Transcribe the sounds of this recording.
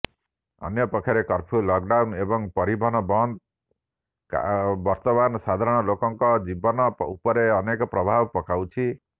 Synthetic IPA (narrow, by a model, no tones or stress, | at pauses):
ʌ̰njɔpɔkʰaɾekɔɾpʰulɔkɖawnebɔŋpɔɾibʱɔnɔbɔnd̪̚ | bɔɾt̪ɔmanɔsad̪ʱaɾɔɽ̃ɔlokɔŋkɔd͡ʒibɔnɔupɔɾeɔnekɔpɾɔbʱabɔpɔkawt͡ʃʰi